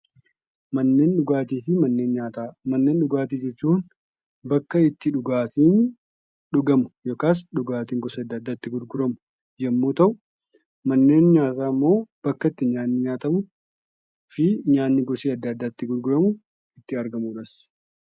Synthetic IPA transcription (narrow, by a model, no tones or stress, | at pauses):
mɐnːe̞ːnɗʊɡaːt̪iːfɪmɐnːe̞ːnɲaːt̪amɐnːe̞ːnɗʊɡaːt̪iːd͡ʒɛt͡ʃːuːn | bɐkːɐɪt̪ːɪᶑʊɡaːt̪iːn | ᶑʊɡɐmʊ̥joːkaːs̬ᶑʊɡaːt̪iːŋɡɔsːɐd̪ːɐd̪ːaːt̪ːɪɡʊɾɡʊɾɐmʊ̥ | jɐmːoːt̪ɐʔʊ | mɐnːe̞ːnɲaːt̪aːmːo̞ːb̥ɐkːɐɪt̪ːɪɲaːnːɪɲaːt̪ɐmʊ | fɪɲaːnːɪɡɔseːɐd̪ːɐɐd̪ːaːɪt̪ːɪɡʊɾɡʊɾɐmʊ | ɪt̪ːɪɐɾɡɐmuːᶑɐs